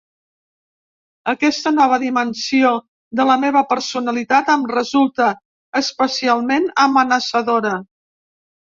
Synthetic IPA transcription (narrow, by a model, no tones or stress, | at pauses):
əkɛst̪ənɔβ̞əðimənsio | d̪ələmeβ̞əpəɾsunəlit̪at̪əmrəzulˠt̪əː | spəsialˠmenəmənəsəðoɾə